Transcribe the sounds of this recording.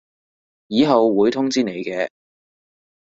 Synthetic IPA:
jiː˨˧ɦɐ˨wːuː˨˧jt̪ʰʊ˥ŋt͡siː˥ne˨˧jkɛː˧

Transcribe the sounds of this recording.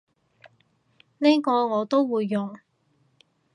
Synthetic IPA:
neː˥kɔː˧ŋɔː˨˧t̪o˥wwuː˨˧jːɔ˨ŋ

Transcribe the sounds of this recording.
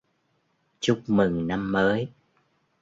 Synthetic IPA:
t͡ɕʊ˦˥k͡p̚mɨ˨˩ŋna˧mːəː˨˦j

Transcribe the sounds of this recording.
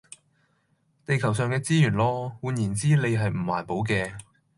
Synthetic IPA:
t̪e˨jkʰɐ˨˩wsœː˨ŋkɛː˧t͡siː˥jyː˨˩nlɔː˥wuː˨˧njiː˨˩nt͡siː˥le˨˧jɦɐ˨jm̩˨˩mwa̰ː˨˩npo˨˥wk̬ɛː˧

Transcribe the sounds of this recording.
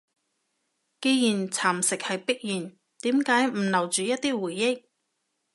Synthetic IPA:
ke˧jjiː˨˩nt͡sʰaː˨˩msɪ˨k̚hɐ˨jpɪ˥k̚jiː˨˩n | t̪iː˨˥mkaː˨˥jm̩˨˩lɐ˨˩wt͡ʃyː˨jɐ˥t̚t̪iː˥wuː˨˩jːɪ˥k̚

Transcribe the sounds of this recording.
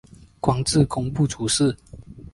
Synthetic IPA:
kwɑ˥ŋt͡s̩˥˨ko˥ŋpu˥˨ʈ͡ʂʰu˨˦ʂ̩˥˨

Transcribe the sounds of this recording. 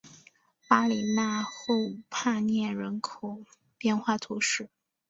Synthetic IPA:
pa˥li˨˩ma˥˧xo˥˧ʊpʰa˥˧njɛ˥˩nɻə˧˥nkʰo˨˩ʊ | pjɛ˥˧nxwa˥˩t̪ʰu˧˥ʂɻ̩˥˩

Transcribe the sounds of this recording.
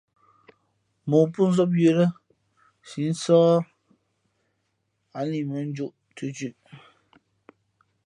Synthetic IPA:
mɔ˨pu˦n̩˦zɔ˦p̬̚je˨ɾə˦ | si˨˦n̩˦sɔː˦ | a˨˦li˨mə˨˦n̩˦d͡ʒu˦ʔ | tu˦t͡ʃʉ˦ʔ

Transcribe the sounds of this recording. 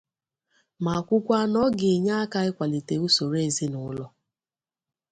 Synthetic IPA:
ma˨kʷʊ˦kʷa˦nɔ˦ɡɪ˨ɲa˦a˦ka˦ɪ˦kʷa˨li˨te˨u˦so˨ɾe˦˨zi˦nʊ˨˦lɔ˦

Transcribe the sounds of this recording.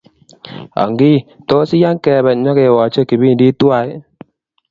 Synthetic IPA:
ɔ̰˨ŋɡi˦˨to˦sɪ˦ja˦ŋkɛ˨bɛ˨ɲɔ˦ke˨wɔ˨t͡ʃe˦ki˨bi˦n˨di˦twa˦˨j

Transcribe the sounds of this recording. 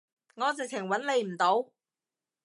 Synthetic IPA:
ŋɔː˨˧t͡sɪ˨k̚t͡sʰɪ˨˩ŋwɐ˨˥nle˨˧jm̩˨˩t̪o˨˥w

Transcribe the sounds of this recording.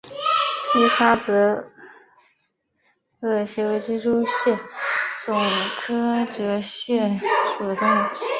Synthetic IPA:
si˥˩ʂʰa˥t͡sɤ˧˥ | ɤ˥˩ɕjɛ˧˥wɪt͡ɕi˥ʂu˥ɕjɛ˥˩t͡sʊ˨˩ŋkʰɤ˥ʈ͡ʂɤ˧˥ɕjɛ˥˩ʂu˨˩ʈ͡ʂ̪ʊ˥˧ŋ˥

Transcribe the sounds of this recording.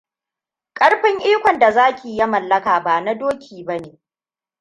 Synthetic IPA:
kʼɐ˦ɽɸɪ˦ŋʔiː˦kʷɔ˨nda˨zaː˦kʲiː˨ja˦mɐ˨lːɐ˦kaː˨baː˨na˦doː˦kʲʰiː˨bɐ˦neː˨

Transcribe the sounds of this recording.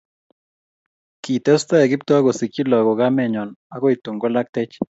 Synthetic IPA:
ki˨t̪ɛ˦st̪a˦e˨ɡɪ˦pt̪ɔ˦a˦ɡo˨si˨ki˦lɔ˨ɡɔ˨ɡa˦mɛ˨ɲɔ˨na˦kɔ˦i˨t̪o˨ŋɡo˦la˦k̚t̪ɛ˦t͡ʃ

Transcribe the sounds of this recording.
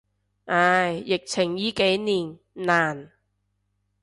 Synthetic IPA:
ʔaː˧˩jjɪ˨k̚t͡sʰɪ˨˩ŋjiː˨˧˥ke˨˥jniː˨˩n | naː˨˩n

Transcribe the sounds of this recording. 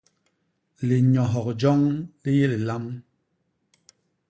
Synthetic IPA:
le˨ɲɔ˨ɦɔ˨k̚d͡ʒɔ˦ŋli˦je˦le˨la˦m

